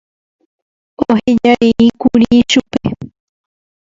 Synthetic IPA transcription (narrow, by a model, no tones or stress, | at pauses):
oɦed͡ʒaʔeʔikuɾiʃupe